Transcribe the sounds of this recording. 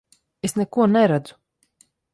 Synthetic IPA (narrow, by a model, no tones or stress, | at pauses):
esnɛkuɔnɛɾad̪zu̥